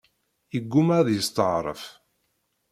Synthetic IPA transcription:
jəɡːumæðjəst̪əʕɾˤə̰f

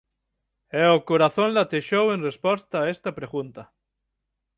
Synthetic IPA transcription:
ɛokoɾaθõnlat̪eʃowenrespɔst̪aːest̪apɾeɣunt̪a

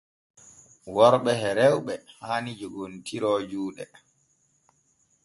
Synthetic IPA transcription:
wɔɾɓɛhɛɾɛwɓɛhaːnid͡ʒɔɡontʰiɾɔːd͡ʒuːɗɛ

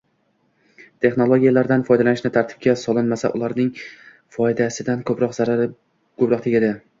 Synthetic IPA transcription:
t̪ʰe̞χno̞lˠoɡʲijalaɾd̪anfɒjd̪alanɪʃnɪt̪ʰaɾt̪ʰɪ̥b̚kʲasɒlˠɪnmasa̰ʔʊlˠaɾnɪŋ | fɒjd̪asɪd̪ankʰɵpɾɒqzaɾaɾ | kʰɵpɾɒqt̪ʰeɡʲad̪ɪ

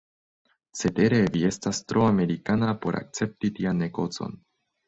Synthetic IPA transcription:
se̞te̞ɾe̞vie̞stastɾʔo̞ame̞ɾikanapo̞ɾʔa̰k̚t͡se̞p̚titianːe̞ɡo̞t͡so̞̰n

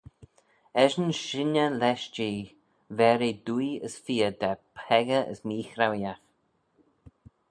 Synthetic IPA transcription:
ɛʒənʃɪnəlɛʃd͡ʒiː | vɛɾid̪ujəsfiːəd̪apʰɛɡəʔə̰smiːxɾawjax

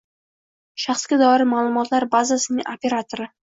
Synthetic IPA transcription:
ʃaχsɡʲad̪ɒɾɪɾmaːlˠʊmɒt̪laɾbazasɪnɪŋʔopʰʲe̞ɾat̪ʰoɾɪ

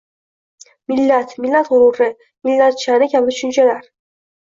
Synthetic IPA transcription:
mɪlːat̪mɪlːat̪hʊɾʊɾɪ | mɪlːat̪̚t͡ʃʰaɾnɪkʲʰablɪt̪ʰʊ̥ʃʊnt͡ʃʰalaɾ

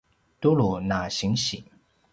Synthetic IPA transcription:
t̪ulunaɕiŋɕi

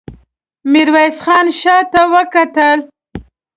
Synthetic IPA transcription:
miɾwajsxɑnʃɑt̪awəkat̪əl

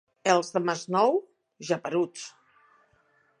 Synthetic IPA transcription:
elˠzðəmaznɔw | ʒapəɾut͡s

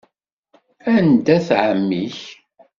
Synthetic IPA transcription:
ænd̪æθʕəmːiç

